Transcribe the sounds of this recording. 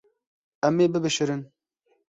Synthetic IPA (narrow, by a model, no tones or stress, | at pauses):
ɛmːeːbɨbɨʃɨɾɨn